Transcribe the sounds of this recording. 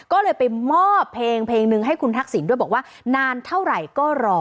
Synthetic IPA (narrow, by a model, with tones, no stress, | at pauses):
kɔː˥˩lɤː˧jpa˧jmɔː˥˩pʰːleː˧ŋpʰleː˧ŋnɯ˧ŋɦa˥˩jkʰu˧nt̪ʰa˦˥k̚si˩˦ndu˥˩jbɔː˨˩kwaː˥˩ | naː˧nt̪ʰa˥˩wɾa˨˩jkɔː˥˩ɾɔː˧